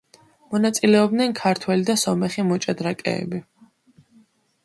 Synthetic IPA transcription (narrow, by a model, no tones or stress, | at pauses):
mɔnat̪sʼilɛɔb̚d̪nɛnkʰaɾt̪ʰwɛlid̪asɔmɛχimɔt͡ʃʼad̪ɾakʼɛ̰ːbi